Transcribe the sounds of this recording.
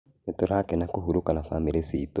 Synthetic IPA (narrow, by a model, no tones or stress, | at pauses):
etoɾakenakuɦuɾukanafamiɾesito